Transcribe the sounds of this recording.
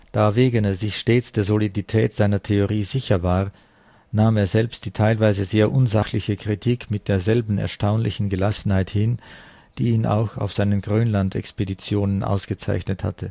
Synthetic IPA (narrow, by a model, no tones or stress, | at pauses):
d̥aːveːɡəneːɐzɪçʃteːt͡sd̥eːɐzoliditʰɛːtz̥aɪnɐtʰeoʁiːzɪçɐvaːʁ | naːmeːɐzɛlpst̚d̥iːtʰaɪlvaɪzəzeːɐʔʊnzaxlɪçəkʁ̥itʰiːkmɪt̚d̥eːɐzɛlbn̩ɛ̰ɐʃtaʊnlɪçn̩ɡəlasn̩haɪthɪn | d̥iːiːnʔa̰ʊxa̰ʊfz̥aɪnənɡʁøːnlantʰɛ̰kspedit͡sjoːnənʔa̰ʊsɡ̥ət͡sa̰ɪçnətha̰tʰə